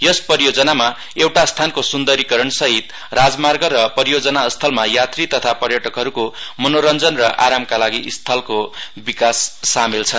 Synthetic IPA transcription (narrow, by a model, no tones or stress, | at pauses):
jʌspʌɾijod͡zʌnama | ewʈast̪ʰankosund̪ʌɾikʌɾʌnsʌɦit̪ | rad͡zmarɡʌɾʌpʌɾijod͡zʌnast̪ʰʌlmajat̪rit̪ʌt̪ʰapʌrjʌʈʌkɦʌɾukomʌnoɾʌnd͡zʌnrʌʔa̰ɾamkalaɡiʔist̪ʰʌlkobikasːamelt͡sʰʌn